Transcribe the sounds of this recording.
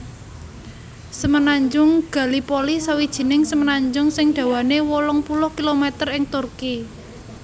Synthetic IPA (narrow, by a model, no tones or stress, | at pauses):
səmənaɲd͡ʒʊŋɡ̥a̤lipolisawid̥ʒ̥i̤nɪŋsəmənaɲd͡ʒʊŋsɪŋɖ̪̥a̤wanewɔlɔŋpulʊhkilomet̪ərɪŋt̪urki